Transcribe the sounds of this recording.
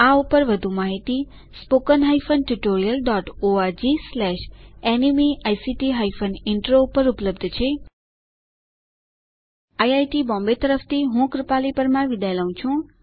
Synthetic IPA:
aupəɾʋəd̪ʱũmaɦit̪i | spokənɦajfənʈuʈoɾijəlɖɔʈoaɾd͡ʒislɛʃenimiʔajsiʈiɦaifʰənɪɳʈɾoupəɾupləbd̪ʱt͡ʃʰe | ajajʈibɔ̃mbet̪əɾəft̪ʰiɦũkɾɪpalipəɾmãʋid̪ajlaũt͡ʃʰũ

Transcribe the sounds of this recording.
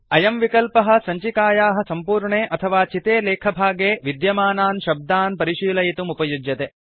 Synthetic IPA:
ɐjɐmʋikɐlpɐɦɐ̆sɐɲt͡ʃikaːjaːɦɐ̆sɐmpuːɾɳeːʔɐt̪ʰɐʋaːt͡ʃit̪eːleːkʰɐbʱaːɡeːʋid̪jɐmaːnaːnʃɐb̚d̪aːnpɐɾiʃiːlɐjit̪umupɐjud͡ʒjɐt̪eː

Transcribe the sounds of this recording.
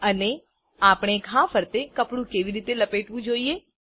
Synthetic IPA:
əne | apɳ̃ekʰãfəɾt̪ekəpɽũkeʋiɾit̪eləpeʈʋũd͡ʒoie

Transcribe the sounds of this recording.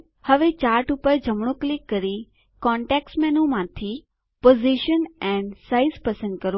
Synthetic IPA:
həʋet͡ʃaːɾʈʊpəɾd͡ʑʱəmɽ̃oklɪkːəɾi | kɔ̃ɳʈeksmɛnõmãt̪ʰi | poːziʃənɛ̃ɳɖsaizpɐsə̃nd̪kəɾo

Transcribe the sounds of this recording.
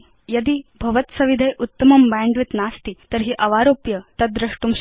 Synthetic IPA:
jɐd̪iːbʱɐʋət̪sɐʋid̪ʱejʔut̪ːəmɐmbaɳɖʋit̪naːst̪it̪əɾɦiːʔɐʋaɾoːpjɐt̪ɐd̪ɾɐʂʈumɕ

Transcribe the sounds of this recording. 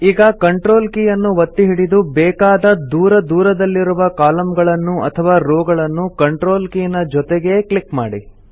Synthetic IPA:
iːɡɐkɐɳʈɾo̞ːlkijɐnːuʋɐt̪ːiɦiɽid̪ubɛːkaːd̪ɐd̪uːɾɐd̪uːɾɐd̪ɐlːiɾuʋɐkaːlɐmɡɐɭɐnːuʔɐ̰t̪ʰɐʋaːɾoːɡɐɭɐnːukɐɳʈɾo̞ːlkiːnɐd͡ʒɔt̪eɡe̞kɭikma̰ːɽi

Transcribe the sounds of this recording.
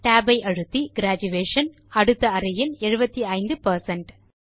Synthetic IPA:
ʈaːbɐɪʔɐɻɯt̪ːiɡɪɾaːd͡ʒɯʋeːʂɐn | ɐɽɯt̪ːɐːɾɪjɪnɛɻɯbɐt̪ːiɐɪnd̪ɯpɐɾsɐɳʈ

